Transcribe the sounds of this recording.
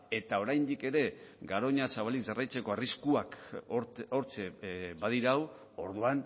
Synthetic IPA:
e̞t̪ao̞ɾajnd̪ike̞ɾe̞ɡaɾo̞ɲasaβaliɡarajt͡se̞ko̞ariskuak | oɾt͡ʃeβaðiɾaw | o̞ɾðuan

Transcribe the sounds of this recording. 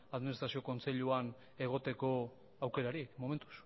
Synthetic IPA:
aðminist̪ɾasio̞ko̞nt͡se̞ʎuan | e̞ɣ̞o̞t̪e̞ko̞ | awke̞ɾaɾimo̞me̞nt̪u̥s

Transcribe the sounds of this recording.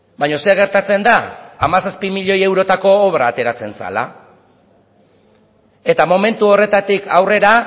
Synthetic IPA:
bajɲo̞se̞ɣ̞e̞ɾt̪at͡se̞nd̪aːmasaspimiʎo̞je̞wɾo̞t̪ako̞ːβɾaːt̪e̞ɾat͡se̞nsa̰la̰ | e̞t̪amo̞me̞nt̪uo̞re̞t̪at̪ikawre̞ɾa

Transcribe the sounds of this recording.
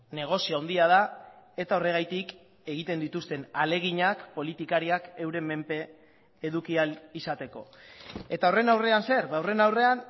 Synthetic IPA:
ne̞ɣ̞o̞sioawnd̪iað̞ae̞t̪ao̞re̞ɣ̞ajt̪ik | e̞ɣ̞it̪e̞nd̪it̪ust̪e̞nale̞ɣ̞iɲakpo̞lit̪ikaɾiake̞wɾe̞me̞mpe̞ː | ðukialisat̪e̞ko̞̰e̞t̪ao̞re̞nawre̞anse̞ɾβawre̞nawre̞an

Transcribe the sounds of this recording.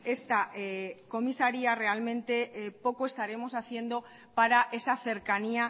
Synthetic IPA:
e̞st̪aeko̞misaɾiare̞almẽnt̪e̞po̞koe̞st̪aɾe̞mo̞saθje̞nd̪o̞ | paɾaʔe̞saθe̞ɾkania

